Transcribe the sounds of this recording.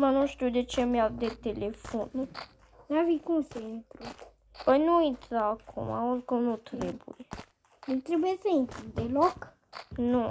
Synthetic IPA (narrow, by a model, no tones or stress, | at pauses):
manũʃt̪iwd̪et͡ʃemjad̪et̪elefon | lavikunseint̪ɾu | pəjnuint̪ɾaakʰṵma̰oɾkomnut̪ɾebṵje | ilt̪ɾebujesəint̪ɾid̪elok | nu